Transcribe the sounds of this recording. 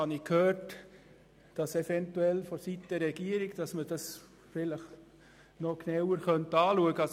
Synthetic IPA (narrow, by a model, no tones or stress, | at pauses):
ɑnikʰhøːɾt | d̥ɑsɛfɛntuɛlfɔsitd̥əɾːɛɡ̥iəɾiɡd̥ɑsməd̥ɑs | fɪləχ | nɔknawəɾχœnt̪ɑːluəɡəɑs